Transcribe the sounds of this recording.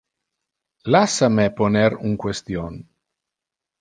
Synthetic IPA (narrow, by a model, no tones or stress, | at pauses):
lasameponeɾuŋkwest̪jon